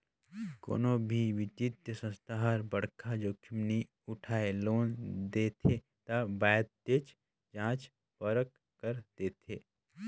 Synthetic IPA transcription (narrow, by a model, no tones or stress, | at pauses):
ko̰ːnobʱiʋɪt̪it̪jəsə̃st̪aɦaɾbəɽkʰad͡ʒoːkʰɪmni | ʊʈʰaːeloːnd̪eːt̪ʰe | t̪abaːd̪̚t̪et͡ʃ | d͡ʒãːt͡ʃ | pəɾək | kəɾd̪̥eːt̪ʰeː